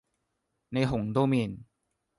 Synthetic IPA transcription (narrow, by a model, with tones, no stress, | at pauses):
na˧jɦo˨˩˦ŋd̪o˧me˧˩˨n